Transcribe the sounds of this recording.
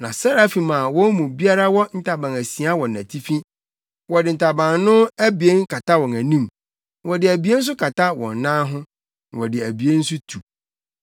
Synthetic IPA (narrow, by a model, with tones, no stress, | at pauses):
nã̰˨sa˦ɾa˦fi˨mã˨wɔ̃˦mũ˨bi˦a˦ɾa˦wɔ˦n̩˦tʰa˨bã˨ŋæ˨si˨a˦wɔ̃˨næ̰̃˨tʰi˦fĩ˦ | wɔ˨dɪ˨n̩˨tʰa˨bã˨ŋnʊ̃˦æ˦bi˨e˦ŋ˦kʰa˨tʰa˦wɔ̃˨næ˨nĩ˦˨m | wɔ˨dɪ˨æ˨bi˨˦e˦n̩˦s̬ʊ˦kʰa˨tʰa˦wɔ̰̃˨nːãː˦ɦʊ̃˦˨ | wɔ˨dɪ˨æ˨bi˨e˦n̩˦s̬ʊ˦tʰu˨